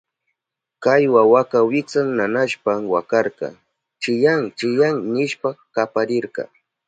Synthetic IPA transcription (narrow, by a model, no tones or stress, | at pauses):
kajwawakawɪkt͡saŋnanaʃpamwakɑɾqɑ̰ | t͡ʃɪjaŋt͡ʃɪjaŋnɪʃpakapaɾɪɾqɑ̰